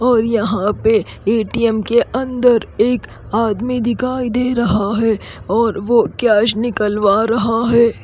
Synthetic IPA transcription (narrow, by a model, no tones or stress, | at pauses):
ɔːɾjɐɦãpe | eːʈiɛmkeʔɐ̃nd̪əɾeːk | aːd̪mid̪ɪkʰaːid̪eːɾɐɦaɦɛ | ɔːɾʋokjaːʃnɪkəlʋaɾɐɦaɦɛː